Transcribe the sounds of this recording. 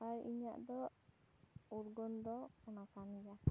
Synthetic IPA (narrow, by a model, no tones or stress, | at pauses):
aɾḭɲa̰ʔd̪ɔ | uɾɡɔnd̪ɔkɔnakanija